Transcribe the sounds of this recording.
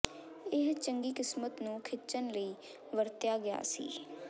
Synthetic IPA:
ɪɦt͡ʃəŋɡiːkɪsmət̪nũːkʰɪt͡ʃənləiː | ʋəɾt̪jaːɡɪja̰ːsḭː

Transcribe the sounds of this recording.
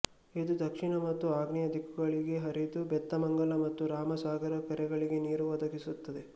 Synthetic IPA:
id̪ud̪ʱɐkʂiɳɐmɐt̪ːuaːɡnijɐd̪ʱikːuɡɐɭiɡe̞ɦɐɾid̪ubɛt̪ːɐmɐŋɡɐlɐmɐt̪ːuɾaːmɐsaːɡɐɾɐkɐɾɛɡɐɭiɡe̞niːɾuʋɐd̪ɐɡisut̪ːɐd̪e̞

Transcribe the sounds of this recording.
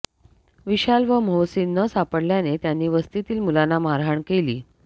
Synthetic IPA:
ʋiɕalʋəmowsinːəsapəɽljanet̪janːiːʋəst̪it̪iːlmulanamaɾɦaɳkeliː

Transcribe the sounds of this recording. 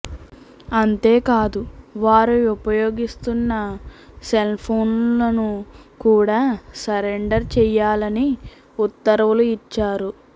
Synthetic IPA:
ɐnt̪e̞ːkaːd̪uʋaːɾuupɐjo̞ːɡist̪unːɐ | selpʰoːnlɐnukuːɽaːsɐɾeɳɖɐɾt͡ʃɛjaːlɐni | ut̪ːɐɾɐʋuluit͡ʃːaːɾu

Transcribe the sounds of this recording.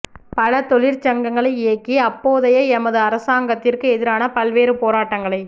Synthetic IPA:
pɐlɐt̪ɔɭɪɾt͡ʃɐŋɡɐŋɡɐɭɐɪːkːiɐpːoːðɐjɐɛmɐðɯɐɾɐsaːŋɡɐt̪ːɪrkɯɛðɪɾaːnɐpɐlʋeːɾɯpoːɾaːʈːɐŋɡɐɭɐɪ

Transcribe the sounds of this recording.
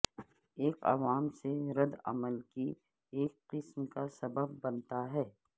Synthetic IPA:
eːkɐ̰ʋaːmseɾɐd̪ɐ̰məlki | eːkqɪsmkasɐbəb̚ːɐnt̪aɦɛː

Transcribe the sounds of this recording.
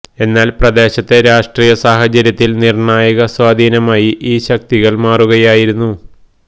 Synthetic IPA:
e̞nːaːlprɐd̪e̞ːɕɐt̪ːe̞ɾaːʂʈriːjɐsaːɦɐt͡ɕɐɾjɐt̪ːilnirɳaːjɐɣɐswaːd̪ʱiːnɐmaːjiʔiːɕɐk̚t̪iɣɐɭmaːruɣɐjaːjiɾunːu

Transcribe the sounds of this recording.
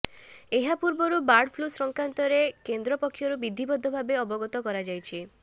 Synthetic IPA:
eɦapuɾbɔɾubaɾɖpʰlusɾɔŋkɾant̪ɔɾekend̪ɾɔpɔkʰːjɔɾubid̪ʱːibɔd̪ʱːɔbʱabeɔbɔɡɔt̪ɔkɔɾad͡ʒajt͡ʃʰi

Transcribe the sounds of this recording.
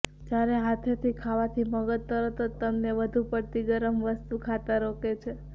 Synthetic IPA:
d͡ʒjaɾeɦat̪ʰet̪ʰikʰaʋat̪ʰiməɡət̪ːəɾot̪ot̪əmnebəd̪ʱũpət̪iɡəɾəmʋəst̪ukʰat̪aɾoket͡ʃʰe

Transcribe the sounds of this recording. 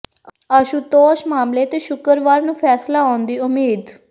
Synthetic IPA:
əʃuːt̪oːʃmaːmleːt̪eːʃʊkəɾʋaːɾnũːpʰɛːslaːɔːnd̪iːʊmeːd̪

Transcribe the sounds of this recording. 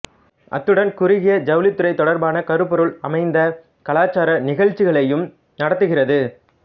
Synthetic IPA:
ʔɐ̰t̪ːɯɽɐnkʊɾɪɣɪjɐd͡ʒɐʋlɪt̪ːɯɾɐɪt̪ːɔɽɐɾbaːnɐkɐɾɯpːɔɾɯɭɐmɐɪnd̪ɐ | kɐlaːt͡ʃːaːɾɐnɪɣɐɻt͡ʃːɪɣɐɭɐjɯm | nɐɽɐt̪ːɯɣɪrɐðɯ

